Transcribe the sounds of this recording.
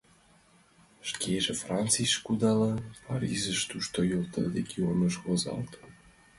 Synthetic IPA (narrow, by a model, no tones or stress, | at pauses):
ʃkʰeʒefrɑnt͡sijʃkud̪ɑlɤpɑɾʲizəʃt̪uʃt̪ojolt̪ə̰̆reɡʲionəʃβozɑ̰lt̪